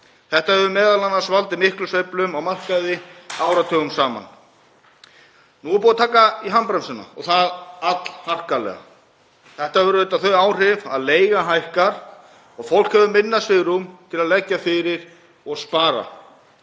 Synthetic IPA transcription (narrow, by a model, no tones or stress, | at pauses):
θɛht̪ahɛvʏmɛːðalanːasvalt̪ɪmɪhklʏsvejplʏmawmar̥kajðɪaːwɾat̪ʰœːɣʏmsaːma̰n | nuɛɾpoːðat̪ʰaːkaiɦampɾɛmsɪnːa̰ɔ̰ɣθaðat̪l̥har̥kalɛ̰ɣa̰ | θɛht̪aɛvʏɾʏɛt̪aθœɥaːwr̥ɪva̰ðleːjɣaɦajhkaɾ̥ | ɔɣfowl̥khɛvʏmɪnːasvɪɣɾumt̪ʰɪlaðlɛcːafɪɾɪɾ | ɔɣspaːɾa̰